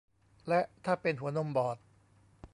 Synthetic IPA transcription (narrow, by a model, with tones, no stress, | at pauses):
lɛ˦˥ʔt̪ʰaː˥˩pe˧nɦu˨˩˦ɐno˧˥˨mbɔː˨˩t̪̚